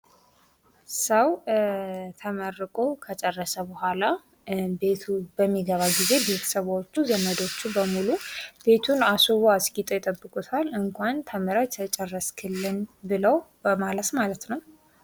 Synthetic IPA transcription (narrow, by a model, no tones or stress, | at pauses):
səw | t̪ʰəmərːɨkʼokʰət͡ʃʼɛrːəsəbəhʷala | be̞t̪ʰubəmːiɡəβaɡize̞be̞t̪ʰə̥səβot͡ʃːuzəməd̪o̞t͡ʃːubəmulub̥e̞t̪ʰunasuβoaskit̪ʼojt̪ʼəbːɨkʼut̪ʰalɨŋkʷant̪ʰəmɨɾat̪ʰət͡ʃʼɛrːəskʰɨlːɨnbɨləw | malət̪malət̪nəw